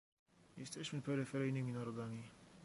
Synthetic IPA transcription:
jɛst̪ɛɕmɘpɛɾɘfɛɾɛjnɘmʲinaɾɔd̪amʲi

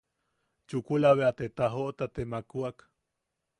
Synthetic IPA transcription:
t͡ʃukulaβeat̪et̪aɦoʔt̪at̪emakuak

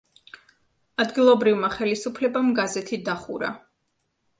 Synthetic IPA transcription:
ad̪ɡilˠɔbɾivmaχɛlisupʰlɛbamɡazɛt̪ʰid̪aχṵɾa̰

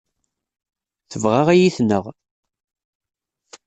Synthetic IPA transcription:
θəvʁaʁæjiθnəʁ

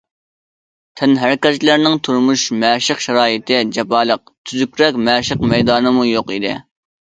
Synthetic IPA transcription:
t̪ʰɛnɦæɾkʲɛzkʲlæɾnɪŋt̪ʰuɾmuʃmɛːʃəqʃɛɾɑːjit̪ʰɪd͡ʒɛpɑːlˠəq̚ | t̪ʰyzykʲɾɛkʲmɛʃəqmɛjd̪ɑːnɨmujoqid̪ɪ̰

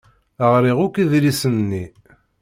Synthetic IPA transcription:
əʁɾiʁʊkiðɾisənːi

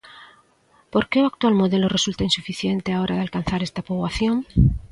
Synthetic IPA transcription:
po̞ɾke̞uak̚t̪walmo̞ðe̞lore̞sult̪ainsufiθje̞nt̪e̞ao̞ɾʔaðalkan̟θaɾe̞st̪apoβwaθjo̞ŋ

